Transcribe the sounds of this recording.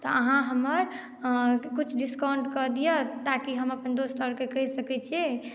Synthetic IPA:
t̪ɔəɦãɦəməɾ | kut͡ʃʰɖiskawɳɖkɔd̪ijət̪akiɦəməpənd̪ost̪ʰəɾkekəɦsəkɛt͡ʃʰie

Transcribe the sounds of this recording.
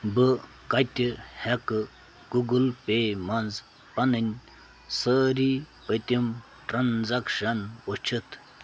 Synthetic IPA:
bɨ | kɐt̪ʲihekɨ | ɡ̥uɡɨlpemɐnz | pɐnɨnʲ | səːɾi | pət̪ʲim | ʈɾɐnzɐkʂɐnot͡ʃʰɨt̪ʰ

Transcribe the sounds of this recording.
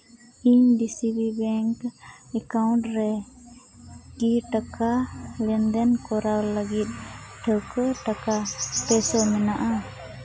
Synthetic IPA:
iɲɖisibibɛŋkɛkawɳʈɾɛ | kiʈakalɛnd̪ɛnkɔɾawləɡit̪̚ˀʈʰəkəʈakapɛsɔmɛnaʔa

